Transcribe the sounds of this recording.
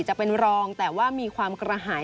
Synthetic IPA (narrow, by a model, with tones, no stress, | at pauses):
t͡ɕa˨˩pe˧nɾɔː˧ŋt̪ɛː˨˩waː˥˩miː˧kʰwaː˧mkɾa˧ɦaː˩˦